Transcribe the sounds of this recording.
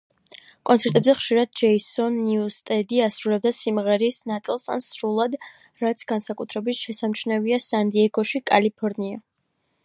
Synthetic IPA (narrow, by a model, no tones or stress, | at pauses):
kʼɔnt̪sʰɛɾt̪ʼɛbzɛχʃiɾad̪̚d͡ʒɛisɔnːiust̪ʼɛd̪iasɾulɛb̚d̪asimʁɛɾisnat̪sʼilˠsa̰nsɾulˠad̪ | ɾat̪sʰɡ̥ansakʼut̪ʰɾɛbit̪ʃɛsamt͡ʃʰnɛviasand̪iɛɡɔʃikʼa̰lipʰɔɾnia